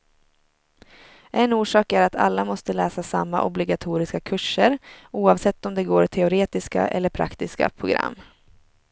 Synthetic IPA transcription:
ʔɛnuːʂɑːkæɾat̪ʰa̰lːamɔst̪əlɛːsasamːa̰ʔɔ̰blɪɡat̪ʰuːɾɪskakʰɵʂːəɾuːɑvsɛt̪ːɔmd̪ɛɡoːɾt̪ʰɛʊɾeːt̪ɪska̰ʔɛ̰lːəɾpʰɾa̰kt̪ɪska̰pʰɾʊɡɾa̰mː

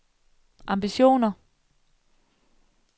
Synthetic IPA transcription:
ʔɑ̈mb̥iɕo̝̰ːnɐ

